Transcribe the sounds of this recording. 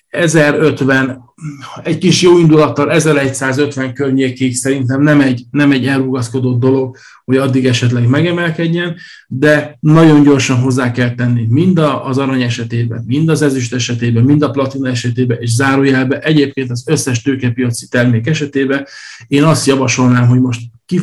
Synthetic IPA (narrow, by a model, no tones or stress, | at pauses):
ɛzɛɾøt̪vɛn | ɛɟkiʃjoːind̪ulɒt̪ːɒlɛzɛɾɛcsaːzø̞t̪vʋɛŋkørɲeːkiksɛɾint̪ɛmnɛmɛɟnɛmɛɟːɛlruɡɒsko̞d̪o̞d̪̚ːo̞lo̞ɡ̚ | ho̞ɟɒd̪ːiɡɛʃɛt̪lɛɡmɛɡɛmɛlkɛɟːɛn | d̪ɛnɒɟo̞ɲɟo̞rʃɒnɦo̞zːaːkɛlt̪ːɛnːimind̪ɒzɒɾɒɲɛʃɛt̪eːbɛ̰nmind̪ɒzɛzyʃt̪ɛʃɛt̪eːbɛmmind̪ɒplɒt̪inoɛʃɛt̪eːbɛʔeːʃzaːɾoːjɛlbɛʔɛɟeːp̚keːnt̪ɒzøsːɛʃt̪øːkɛpijɒt̪si̥t̪ɛrmeːkɛʃɛt̪eːbɛneːnɒst̪jɒvɒʃo̞lnaːmɦo̞ɟmo̞ʃt̪ki